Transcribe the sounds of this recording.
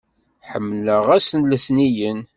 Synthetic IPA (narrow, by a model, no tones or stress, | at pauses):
ħəmːləʁæsənləθnijən